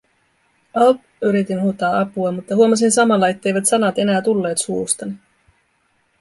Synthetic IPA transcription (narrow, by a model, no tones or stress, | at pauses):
ɑlp | yɾit̪inhut̪ːɑːɑpuɑmut̪ːɑɦuomɑs̬insɑmɑlːɑe̞t̪ːejʋæt̪sɑnɑt̪e̞næːt̪ulːe̞ːt̪suːst̪ɑni